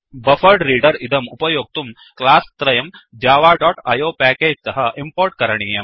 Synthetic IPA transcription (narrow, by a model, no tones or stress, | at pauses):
bɐfʰɐɾɖɾiːɖɐɾid̪ɐmupɐjoːɡ̚t̪um | klaːst̪ɾɐjɐmd͡ʒaːʋaːɖɔːʈɐjoːpæːkeːd͡ʒt̪ɐɦɐimpoːɾʈ̚kɐɾɐɳiːjɐm